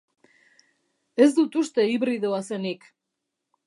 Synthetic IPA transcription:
e̞zd̪ut̪ust̪e̞iβɾiðoase̞nik

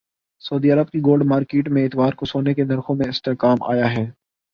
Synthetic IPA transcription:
sɐːd̪iːɐɾəb̚kiɡoːlɖmaːɾkeːʈmẽɪt̪ʋaːɾkosoːnekenɐɾxõmẽɪsʈeːkaːmʔa̰ːjaɦɛː

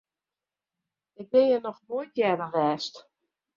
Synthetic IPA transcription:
ɪk̚dejənɔxmoətjɛdəʋɛːst

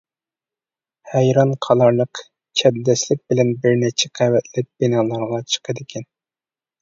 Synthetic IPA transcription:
hæjɾɑnqʰɑlˠɑɾlˠəq | t͡ʃʰɛb̪d̪ɛslɪk̚ʲbɪlɛnbɪɾnɪt͡ʃʰɛqʰæwɛt̪lɛp̚b̥inɑːlˠɑɾʁɑt͡ʃʰə̥qʰəd̪ɪkʲʰɛn

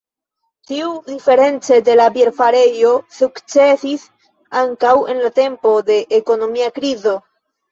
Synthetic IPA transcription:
tiud̪ife̞ɾe̞nt͡se̞d̪e̞labjeɾfaɾe̞jo̞sukt͡se̞sis | aŋkawe̞̰nlat̪e̞mpo̞d̪e̞ʔːko̞no̞miakɾizo̞

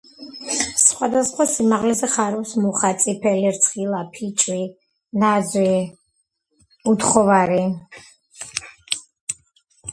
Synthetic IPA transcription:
sχwad̪asχwasimaʁlɛzɛχaɾɔfsmuχat̪sʼipʰɛliɾt̪sʰχilˠapʰit͡ʃʼwi | nazwi | ut̪χɔvaɾi

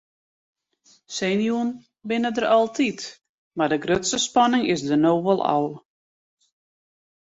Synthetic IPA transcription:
senjuən | bɪnədərɔlˠtʰit | mardəɡrøtsəspɔnɪŋɪsdənoːʋɔlˠɔ̰lˠ

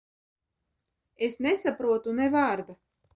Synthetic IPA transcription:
esnesapɾuɔt̪unɛvaːɾd̪a

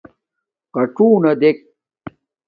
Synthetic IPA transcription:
qɐʈ͡ʂuːnɐd̪ek̚

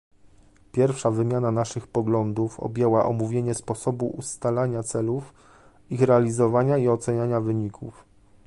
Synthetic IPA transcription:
pʲjɛɾfʂavɘmʲjananaʂɘxpɔɡlɔnd̪ufɔ̰bʲjɛwaʔɔ̰muvʲjeɲɛspɔsɔbuʔust̪alaɲat̪sɛluf | ixɾɛalʲizɔvaɲaiɔt̪sɛɲaɲavɘɲikʰṵf

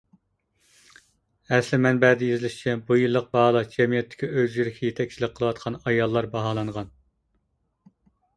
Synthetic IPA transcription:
ɛslɪmɛnbɛd̪ɪjezɪlɪʃt͡ʃʰɛbujɨlˠːəq̚bɑɦɑlˠɑd͡ʒɛmijɛt̪ʰːɪ̥kʲiøzjyɾɪkʲʰɛjet̪ʰɛkʲt͡ʃʰilɪk̚ʲqʰəlˠəwɑt̪̚qʰɑnɑjɑlˠːɑɾbɑɦɑːlˠɑɴʁɑn

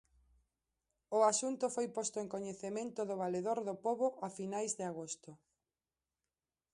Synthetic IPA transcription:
ʊasunt̪ʊfojpost̪oeŋkoɲeθemẽnt̪ʊðʊβaleðoɾðʊpoβoʔafinajzðɪaɣost̪ʊ

